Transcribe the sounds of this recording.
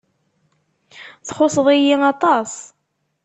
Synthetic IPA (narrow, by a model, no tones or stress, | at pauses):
θχosˤəðˤijiɑt̪ˤɑsˤ